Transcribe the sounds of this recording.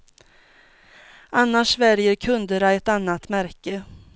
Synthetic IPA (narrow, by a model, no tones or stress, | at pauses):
ʔanːaʂvæɾjəɾkʰɵnd̪əɾaɛt̪anːat̪mæɾkə